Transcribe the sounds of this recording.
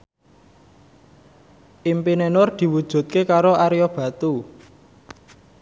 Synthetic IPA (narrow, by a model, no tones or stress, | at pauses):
ʔimpinenʊrd̪̥i̤wud̥ʒ̥ṳt̪̚kekaɾoʔaɾiob̥ä̤t̪u